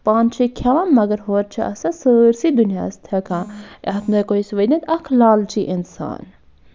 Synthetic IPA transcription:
paːnt͡ʃʰikʰɐʋamːɐɡɐɾɦoːɾ̚t͡ʃʰiʔɐ̰sɐ̃səɾsid̪unja̰ːst̪ʰɐkʰãʔɐɦt̪nojkoisʋɐnʲɐt̪ɐkʰlaːlt͡ʃʰiʔinsa̰ːn

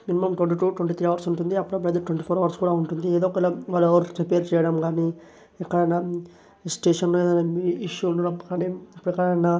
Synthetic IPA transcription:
minimɐmʈʋɐɳʈiʈuːʈwɐɳʈ̬it̪ʰɾiːɐʋɐɾsuɳʈund̪iɐpːuɽɐp̬ɾɐd̪ɐʈʋeɳʈipʰoːɾɐʋɐɾskuːɽaːuɳʈund̪ieːd̪ɔːkɐilaʋalːʋɐɾɾipeːɾt͡ʃɛːjɐɽɐmɡaːni | ɛkːɐɽɐjna | sʈeːʂɐnloeːd̪ɐnɐiiʃːuunɐpːɐkɐɳɖiɐpːuɽɛkːɐɽɐjna

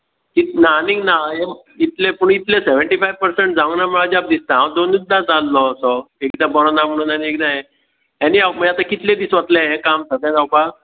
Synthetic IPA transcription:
kit̪naniɡnaɦe | it̪lepuɳit̪lẽseʋəɳʈifajʋpəɾseɳʈ̚d͡zãʋnaməɭad͡ʑap̚d̪ist̪aɦãwd̪onjud̪ːad͡zalːɔsɔekd̪abɔɾɔnam̤əɽ̃ũnaniek̚d̪aɦe | ɦaniaməat̪akit̪lẽd̪isʋat̪lẽɦẽkamsək̪ãt̪awpa

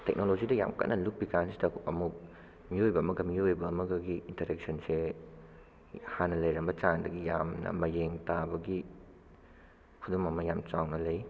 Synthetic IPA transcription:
tek̚nolozidɐja̰mkɐ̰tnɐluk̚bikansi̥dɐɐmu | miojbɐːmɐɡɐmiojbɐːmɐɡɐɡiːntɐɾek̚sɐnse | hanɐlɐjɾɐmbɐt͡ʃandɐɡijamnɐ̰mɐjeŋtabɐɡi | kʰudumɐmɐjamt͡ʃawnɐlɐj

